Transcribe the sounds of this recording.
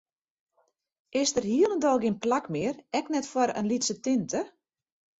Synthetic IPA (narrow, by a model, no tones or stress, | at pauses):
ʔɪsdərhiəlˠəndɔlˠɡinplakmɪərɛknɛtfwɔɾə̰nlitsətɪntʰə